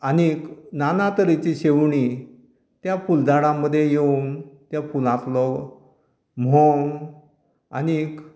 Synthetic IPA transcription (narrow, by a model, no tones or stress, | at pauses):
aniknanat̪əɾit͡ɕiɕeʋɳi | t̪jafuld̪aɽãmːəd̪ʱjejeŋt̪japulãt̪lɔɡ | m̤ɔŋ | a̰nik